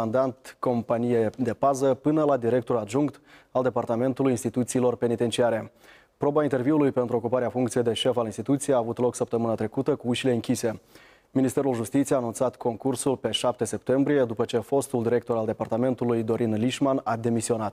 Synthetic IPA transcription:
and̪ant̪ko̞mpanijed̪e̞pazəpɨnəlad̪iɾe̞k̚t̪oɾad̪ʒuŋkt̪ald̪e̞part̪ame̞nt̪ulujinst̪it̪ut̪siːlo̞rpe̞nit̪e̞nt͡ʃiaɾe̞ | pɾo̞baint̪e̞rviulujpe̞nt̪ɾuo̞kupaɾeafuŋkt̪sijed̪e̞ʃe̞falinst̪it̪ut̪sijeaːvut̪lo̞ksəp̚t̪əmɨnat̪ɾe̞kut̪əkuuʃile̞ɨŋkʲise̞ | minist̪e̞ɾulʒust̪it̪sieaːnunt̪sat̪kʰo̞ŋkursulpe̞ʃap̚t̪e̞se̞p̚t̪e̞mbɾije̞d̪upət͡ʃe̞fo̞st̪uld̪iɾe̞k̚t̪o̞ɾald̪e̞part̪ame̞nt̪ulujd̪o̞ɾinliʃmanad̪e̞misio̞nat̪

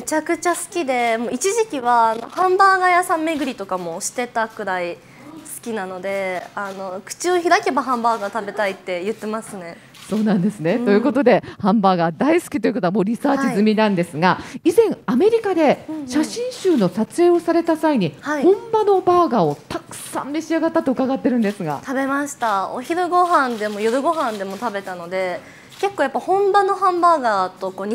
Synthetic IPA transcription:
met͡ɕakɯ̟t͡ɕasɨ̥kʲid̪e̞mo̞ːit͡ɕiʑikʲiβaːno̞̰hãmbaːɡajasãmmːe̞ɡɯ̟ɾʲit̪o̞kamo̞ɕi̥t̪e̞t̪akɯ̟ɾai | sɨ̥kʲinano̞d̪e̞ano̞kɯ̟̥t͡ɕɨoçiɾake̞baɦãmbaːɡat̪abe̞t̪ait̪ːe̞jɯ̟t̪ːe̞masɨne̞ | so̞ːnãnd̪e̞sɨne̞t̪o̞jɯ̟ːko̞t̪o̞d̪e̞hãmbaːɡad̪aisɨ̥kʲit̪oiɯ̟kot̪oamo̞ːɾʲisaːt͡ɕizɨmʲinãnd̪e̞sɨɡaizẽ̞ɰ̃ame̞ɾʲikad̪e̞ɕaɕĩɰ̃ɕɨːno̞sat͡sɨe̞ːo̞saɾe̞t̪asaiɲ̟ihaihõ̞mbano̞baːɡaːo̞t̪akɯ̟̥sã̰mːe̞ɕiaɡat̪ːat̪ːo̞ɯ̟kaɡat̪ːe̞ɾɯ̟̃nd̪e̞sɨɡa̰t̪abe̞maɕi̥t̪ao̰çiɾɯɡo̞ɦãnd̪e̞mo̞joɾɯ̟ɡo̞ɦãnd̪e̞mo̞t̪abe̞t̪ano̞d̪e̞ | ke̞kːoːjapːaihõ̞mbano̞hãmbaːɡaːt̪o̞koːɲ

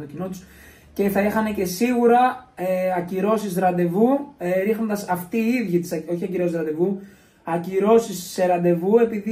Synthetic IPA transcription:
t̪ocino̞t̪u̥s | ce̞θɐixɐne̞ce̞siɣuɾɐeɐciɾo̞sizɾɐnd̪e̞vuɾixno̞nd̪ɐsɐft̪iːiðʝit̪i̥sɐoçiɐciɾo̞sizɾɐnd̪e̞vu | ɐciɾo̞sisːe̞ɾɐnd̪e̞vue̞piði

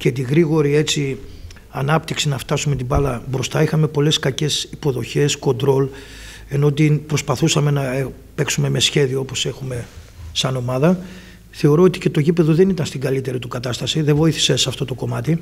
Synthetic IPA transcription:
ce̞t̪̬iɣɾiɣo̞ɾie̞t͡s̪i | ɐnɐpt̪iksinɐft̪ɐsume̞t̪ibɐlɐbɾo̞st̪ɐixɐme̞po̞le̞skɐce̞sipo̞ðo̞çe̞sko̞nd̪ɾo̞l | e̞no̞t̪̬ipɾo̞spɐθusɐme̞nɐe | pe̞ksume̞mesçe̞ðioopo̞se̞xume̞ | sɐno̞mɐðɐ | θe̞o̞ɾo̞ot̪i̥ce̞t̪o̞ʝipe̞ðo̞ðe̞nit̪ɐnst̪iŋɡɐlit̪e̞ɾit̪ukɐt̪ɐst̪ɐsiðevo̞iθi̥sesɐft̪o̞t̪o̞ko̞mɐt̪i

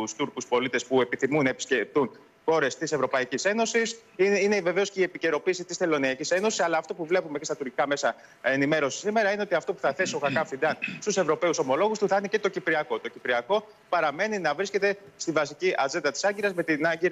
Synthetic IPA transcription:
ust̪uɾkuspo̞lit̪e̞spue̞piθimunɐepi̥scept̪un | xo̞ɾe̞st̪ise̞vɾo̞pɐicise̞no̞sisine̞ve̞ve̞osce̞ie̞pice̞ɾo̞piːsit̪ist̪e̞lo̞niɐcise̞no̞sisɐlɐːft̪o̞puvle̞pume̞cest̪ɐt̪uɾcikɐme̞sɐ | enime̞ɾo̞si̥sime̞ɾɐineo̞t̪iɐft̪o̞pu̥θɐθe̞sio̞xɐkɐfind̪ɐnst̪use̞vɾo̞pe̞uso̞mo̞lo̞ɣust̪uθnece̞t̪o̞cipɾiɐko̞t̪o̞cipɾiɐko̞ | pɐɾɐme̞ninɐvɾisce̞t̪e̞ | st̪ivɐsiciʔɐze̞nd̪ɐt̪i̥sɐɲɟiɾɐzme̞t̪inɐɟiɾɐ

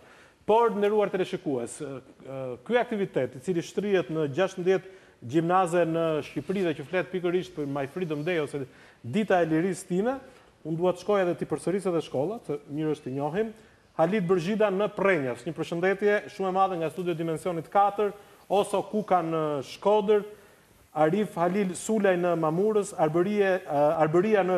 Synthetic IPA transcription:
pɔɾnd̪ɛɾuaɾt̪ɛlɛʃikuɛs | kyak̚t̪ivit̪ɛt̪it͡siliʃt̪ɾiɛt̪nəd͡ʑaʃt̪əmd̪jɛt̪ | ɟimnazɛnəʃcipɾiðɛcəflɛt̪̚pikəɾiʃt̪̚pəmajfɾid̪əmd̪ɛjɔsɛ | d̪it̪aɛliɾist̪inɛ | und̪uhat̪əʃkɔjɛðɛt̪ipəɾsəɾis̬ɛðɛʃkɔlˠat̪əmiɾəʃt̪əɲɔɦim | halit̪̚bəɾʒid̪anəprɛɲasɲəpəɾʃənd̪ɛt̪jɛʃumɛmaðɛŋɡast̪ud̪jɔd̪imɛnsiɔnit̪kat̪əɾ | ɔsɔkukanəʃkɔd̪əɾ | aɾifhalisulajnəmamuɾəsaɾbəɾiaɾbəɾianə

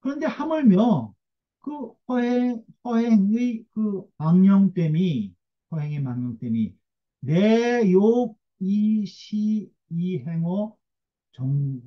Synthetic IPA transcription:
kɯɾʌnde̞hamɯɭmjʌ | kɯhʌɦeŋhʌɦeŋikɯmaŋɲʌŋt͈emi | hʌɦeŋemaŋɲʌŋt͈emḭ | nejoɡ̚ | iɕʰiː | ɦeŋʌ | t͡ɕʌŋ

